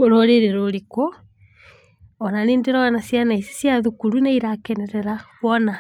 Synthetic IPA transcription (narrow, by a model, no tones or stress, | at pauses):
oɾoɾeɾeɾoɾiko | ɔnaneːndeɾɔɣanasjanaise̥sjaðukuɾuneiɾakɛnɛɾɛɾaβɔna